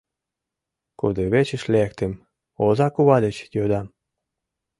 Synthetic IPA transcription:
kud̪eβet͡ɕə̆ʃlekt̪em | ozɑkuβɑlʲet͡ɕjød̪ɑm

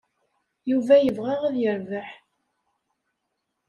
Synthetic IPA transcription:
juvæjəvʁæʁæðjəɾvəħ

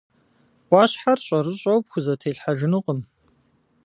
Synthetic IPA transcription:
ʔʷɑːɕħarɕʼɐrɨɕʼɐwp̚xʷʊzɐtʰeːɬħaʒɪnuqʼəm

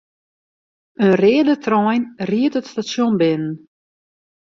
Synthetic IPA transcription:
ənrɪːədətʰrɔjnriətətstasjonbɪnən

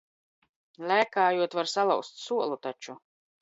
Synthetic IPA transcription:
lʲæːkaːjuɔt̪vaɾsalˠawst̪suɔlˠut̪at͡ʃu

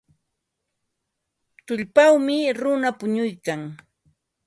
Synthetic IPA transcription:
t̪ʊʎpawmɪɾʊnapʊɲʊjkaŋ

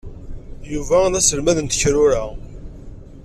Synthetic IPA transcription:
juvæðæsəlmæðənt̪əçɾʊɾæ

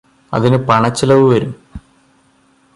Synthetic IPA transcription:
ɐ̰ðinɨpɐɳɐt͡ɕːilɐʋɨʋɐɾum

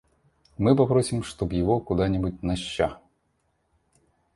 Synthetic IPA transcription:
mɨpɐpɾɔsʲimʂt̪ɔbjɪʋɔkʊd̪anʲɪbut̚ʲnɐɕːa

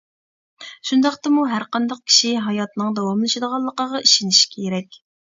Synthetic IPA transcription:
ʃund̪ɑqt̪ɑmuɦæɾqɑnd̪ɑq̚kʲʰi̥ʃiɦɑjɑt̪nɨŋd̪ɑwɑmlˠɨʃɨd̪əʁɑlˠːəqəʁɑiʃiniʃkʲʰeeɾɛkʲ

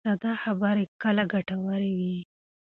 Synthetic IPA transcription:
ad̪ɑxabaɾekəlaɡaʈawəɾewi

